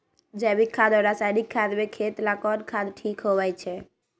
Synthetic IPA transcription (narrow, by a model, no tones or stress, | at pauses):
d͡ʒɛbikʰːad̪ɔɾasaɪnikʰːad̪bekʰet̪lakɔnkʰad̪ʈʰiːkɦoʋɛjt͡ʃʰɛ